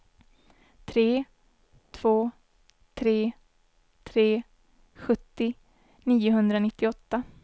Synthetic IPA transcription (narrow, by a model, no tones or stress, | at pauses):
t̪ʰɾeː | t̪ʰv̥oː | t̪ʰɾeː | t̪ʰɾeː | ɧɵt̪ːɪ | niːʊɦɵnd̪ɾanɪt̪ːɪɔt̪ːa